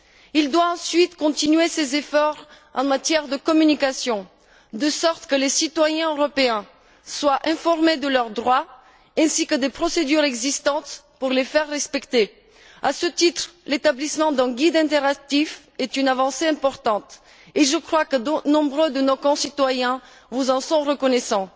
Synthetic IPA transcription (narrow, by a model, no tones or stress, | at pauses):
ild̪waɑ̃sɥit̪kɔ̃t̪inɥesezefɔʁ | ɑ̰̃mat̪jɛʁd̪əkɔmynikasjɔ̃ | d̪əsɔʁt̪kəlesit̪wajɛ̃øʁɔpeɛ̃ | swaʔɛ̃fɔʁmed̪əlœʁd̪ʁwa | ɛ̃sikəd̪epχɔsed̪yʁɛɡzist̪ɑ̃t̪ | puʁlefɛʁːɛspɛkt̪e | asət̪it̪χlet̪ablismɑ̃d̪ɛ̃ɡʲid̪ɛ̃t̪eʁak̚t̪if | ɛt̪ynavɑ̃seɛ̃pɔʁt̪ɑ̃t̪ | eʒəkχwakənɔ̃bʁød̪ənokɔ̃sit̪wajɛ̃ | vuzɑ̃sɔ̃ʁəkɔnɛsɑ̃